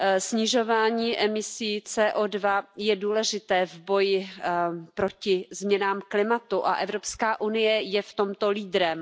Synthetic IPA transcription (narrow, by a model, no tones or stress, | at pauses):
sɲɪʒo̞vaːɲiːʔɛmɪsiːt͡sɛːʔodvajɛduːlɛʒɪt̪ɛːvbo̞jɪ | pɾo̞cɪzmɲɛnaːmklɪmat̪uʔa̰ʔɛvɾo̞pskaːʔunɪjɛjɛft̪o̞mt̪o̞liːd̪ɾɛm